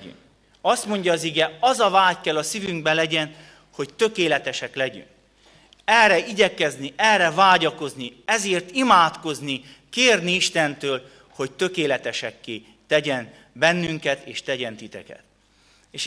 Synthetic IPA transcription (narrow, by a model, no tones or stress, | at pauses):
y̰ŋk | ɒst̪mo̞ɲɟɒːziɡɛɒzɒvaːckɛlːɒsivyŋɡbɛlɛɟɛn | ho̞ct̪ø̞keːlɛt̪ɛʃɛklɛɟy̰ŋk̚ | ɛrɛiɟɛkɛzniʔɛlrɛvaːɟɒko̞zniɛzeːrt̪imaːt̪ko̞znikeːrniiʃt̪ɛnt̪øːl | ho̞ct̪ø̞keːlɛt̪ɛʃɛkːeː | t̪ɛɟɛn | bɛnːyŋkɛt̪eːʃt̪ɛɟɛnt̪it̪ɛ̰kɛ̰t̪ | eːʃ